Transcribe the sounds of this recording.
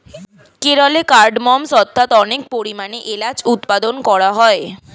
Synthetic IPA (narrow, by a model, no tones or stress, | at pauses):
keɾɔlekaɾɖmɔmsɔt̪ʰːat̪ɔnek̚poɾimaneʔelad͡ʑut̪pad̪onkɔɾaɦɔe